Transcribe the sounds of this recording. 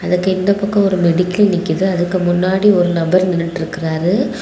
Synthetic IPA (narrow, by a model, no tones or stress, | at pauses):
ɐðɯkːɯɪnd̪ɐpɐkːɐ̃ɔɾɯnɛɽɪkːɪlnɪkːɪðɯɐðɯkːɯmʊnːaːɽiɔɾɯnɐbɐɾnɪnɪʈːɪɾɯkːɪraːɾɯ